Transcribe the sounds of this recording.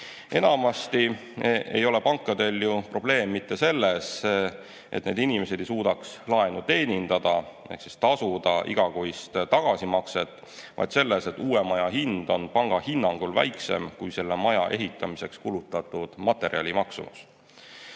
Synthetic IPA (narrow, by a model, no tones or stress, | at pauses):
e̞nɑmɑst̪i | e̞̰jo̞le̞pɑŋkːˑɑd̪̥e̞ljupro̞b̥le̞ːmːit̪ːe̞se̞lːes | ʔet̪ːˑne̞ːd̪inime̞se̞d̪̥e̞jsuːd̪̥ɑkslɑe̞nut̪e̞ːnʲind̪̥ɑd̪̥ɑ | ḛksist̪ɑsud̪ɑʔḭɡ̥ɑɡoist̪t̪ɑɡ̥ɑsimɑkse̞t̪ːˑ | vɑ̰jd̪se̞lːese̞t̪ːuːemɑjɑɦind̪̥o̞npɑŋɡ̥ɑhinːɑŋɡ̥ulvæ̰jkse̞̰mkujse̞lːemɑjɑʔe̞ɦit̪ˑːɑmise̞kskulut̪ːˑɑt̪ːˑud̪̥mɑt̪ːˑe̞ɾiɑ̰lʲimɑksṵmṵs